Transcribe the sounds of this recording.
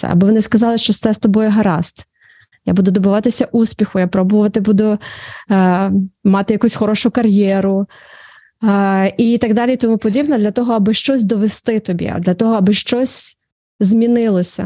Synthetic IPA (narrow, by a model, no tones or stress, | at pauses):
ɛ̰ɐ̰bɔʋɔnɪskɐzɑlˠɪʃt͡ʃɔsɛst̪ɔbɔjɛɦɐɾɑst̪ | ja̰bud̪ʊd̪ɔbʊʋɑt̪ɪsʲɐʔusʲpʲixʊjapɾɔbʊʋɐt̪ɪbud̪ʊ | mɑt̪ɪjɐkusʲxɔɾɔʃʊkɐɾʲjɛɾʊ | it̪ɐɡd̪ɑlʲijt̪ɔmupɔdʲibnɔd̪lʲɐt̪ɔɦɔɐbɪʃt͡ʃɔsʲd̪ɔʋest̪ɪt̪ɔbʲḭd̪lʲɐt̪ɔɦɔɐbɪʃt͡ʃɔsʲ | zmʲinɪlˠɔsʲɐ̰